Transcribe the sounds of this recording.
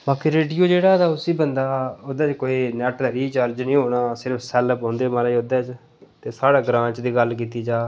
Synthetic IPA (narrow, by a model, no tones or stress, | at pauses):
baːkiɾeːɖijoːd͡ʒeːɽaːd̪aːʊsiːbənd̪aːod̪ɛːt͡ʃkoːiːnɛːʈləɾiːt͡ʃəɾd͡ʒnĩːɦoːɽaːsɪɾəfsɛːləpɦõːnd̪eːmaːlaiod̪ɛːt͡ʃ | t̪eːsaːɽaːɡɾãːt͡ʃd̪iːɡəlk̬iːt̪iːd͡ʒaː